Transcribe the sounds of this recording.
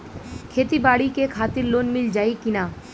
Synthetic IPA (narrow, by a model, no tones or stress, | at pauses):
kʰet̪ibaɽikekʰat̪iɾlonmild͡ʑajkina